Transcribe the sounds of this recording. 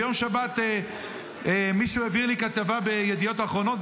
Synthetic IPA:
jo̞mʃabat̪e | emiʃueviʁlikat̪avabejed̪ijo̞taχʁo̞no̞t̪̚

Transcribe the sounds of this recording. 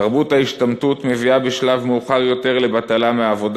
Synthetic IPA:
ʁbuthaiʃtamtut̪me̞viabeʃlavmeuχaʁjo̞t̪e̞ʁle̞bat̪alameaːvo̞d

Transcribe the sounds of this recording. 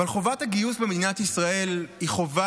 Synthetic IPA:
alχovathaɡijusbemed̪inatisʁae̞lhiχo̞va

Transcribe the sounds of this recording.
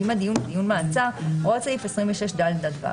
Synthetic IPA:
imad̪ijund̪ijunmaːt͡saʁosaifesʁimveʃeʃd̪ald̪at̪va̰

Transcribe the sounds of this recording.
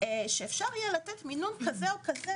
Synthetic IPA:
eʃeefʃaʁijelat̪et̪minunkazeokaze

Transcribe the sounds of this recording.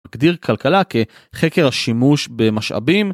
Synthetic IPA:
ɡd̪iʁkʰalkalake̞ | χekeʁaʃimuʃbe̞maʃa̰bim

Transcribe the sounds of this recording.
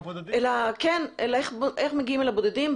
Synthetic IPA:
elakenelaeχbʔeχmeɡiimelabod̪ed̪im

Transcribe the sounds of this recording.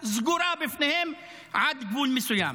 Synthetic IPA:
zɡuɾaːbɪfnehem | ʕad̪ɡbuːlmisuja̰ːm

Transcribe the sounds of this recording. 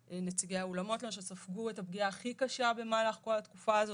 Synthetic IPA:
ʔenet͡siɡejaolamo̞tlemʃesafɡuetab̚ɡiaːχikaʃabe̞malaχko̞lat̪kufaːzo

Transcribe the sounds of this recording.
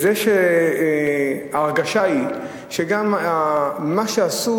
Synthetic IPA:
zeʃe | aaʁɡaʃai | ʃeɡamamaʃeasu

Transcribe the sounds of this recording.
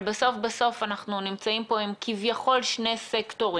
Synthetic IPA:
baso̞fbaso̞fanaχnunimt͡saimpo̞imkivjaχo̞lʃnesekto̞ʁi

